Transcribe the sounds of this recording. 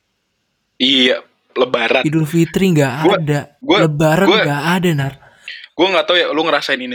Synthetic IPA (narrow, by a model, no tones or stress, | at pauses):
ia | ləbaɾaidʊlfit̪ɾiŋɡaʔadaɡualəbaɾaɡaʔadanar | ɡ̥uaŋɡat̪awjaluŋəɾasaɪnini